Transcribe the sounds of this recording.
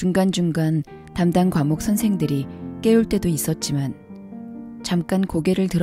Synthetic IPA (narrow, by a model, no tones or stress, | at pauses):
t͡ɕuŋɡand͡ʑuŋɡan | tamdankwamok̚sʰʌnsʰe̞ŋdɯɾik͈e̞uɭt͈e̞dois͈ʌt̚t͡ɕ͈iman | t͡ɕamk͈ankoɡe̞ɾɯɭtɯɾ